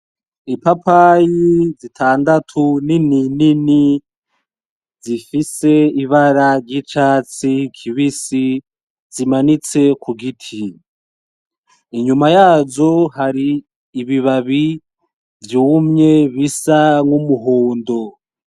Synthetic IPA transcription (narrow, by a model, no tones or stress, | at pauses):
ipapajizitʰaːndatʰunininini | zifise̞iβaɾaɾɟit͡ʃaːt͡sikʰiβisi | zimanit͡se̞kʰuɡitʰi | iɲumajaːzo̞ɦaɾiː | βiβaβi | vjumɲe̞βisaŋumuɦoːndo̞